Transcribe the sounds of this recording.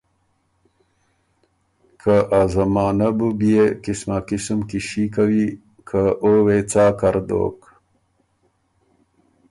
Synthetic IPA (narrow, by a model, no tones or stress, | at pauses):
kʰaʔazamɑːnabubijekɪsmakɪsumkiʃikawi | kʰaʔowet͡sɑːkaɾd̪o̰ːk